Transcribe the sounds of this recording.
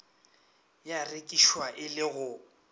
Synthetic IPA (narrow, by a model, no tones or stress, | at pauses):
jarekʼiʃwaʔɪlɪɣʊ